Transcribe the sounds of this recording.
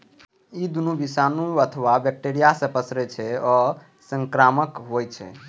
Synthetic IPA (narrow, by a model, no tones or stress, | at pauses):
id̪unubisanuət̪ʰəʋabɛk̚ʈeɾijasə̃pəsɾɛt͡ʃʰɛɔ | səŋkɾaməkɦojt͡ʃʰɛ̰